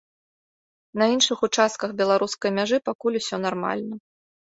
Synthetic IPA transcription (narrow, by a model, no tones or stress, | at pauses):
nɐinʂɨxut͡ʂast̪̚kɐxbʲɛlˠaɾuskɐjmʲaʐɨpakulʲusʲɔnarma̰lʲnɐ